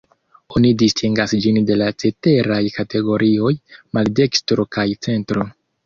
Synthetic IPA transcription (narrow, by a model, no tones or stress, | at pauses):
o̞nidistʰiŋɡasd͡ʒinde̞lat͡se̞te̞ɾajkate̞ɡo̞ɾʔio̞jmalde̞kstɾo̞kajt͡se̞ntɾo